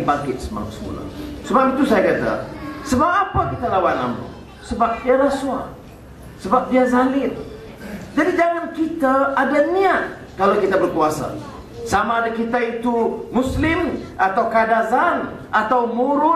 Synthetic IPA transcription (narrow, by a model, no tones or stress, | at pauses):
baŋkɪt̪̚səma̰ŋa̰msəmṵla̰səbapit̪usajakat̪a̰səbap̚apakit̪alawana̰mṵ | səbap̚fiaɾasua̰ | səbap̚diazalɪl | d͡ʒadid͡ʒaŋankit̪aːdaniat̪̚ | kalawkit̪abərkuasa̰ | samaːdakit̪ait̪umuslɪmʔat̪awkadazanʔat̪awmuɾʊ